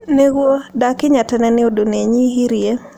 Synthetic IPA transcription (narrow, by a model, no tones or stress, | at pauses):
neɡwodakɪɲatɛnɛnɪodoneɲiɦiɾje